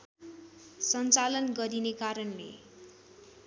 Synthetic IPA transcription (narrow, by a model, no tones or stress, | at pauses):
sʌnt͡salʌnɡʌɾinekaɾʌnlḛ